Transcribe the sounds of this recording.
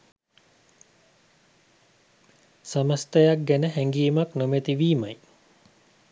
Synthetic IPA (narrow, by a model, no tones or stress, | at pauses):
saməst̪əjak̚ɡænəɦɛŋɡiːmaknomet̪iʋiːmaj